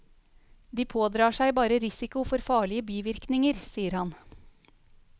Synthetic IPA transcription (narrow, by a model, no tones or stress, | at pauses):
d̪iːpʰoːd̪ɾɑːʂæɪbɑːɾəɾɪsɪkʊfɔɾfɑːɭɪəbiːʋɪɾknɪŋəɾsiːəɾhɑn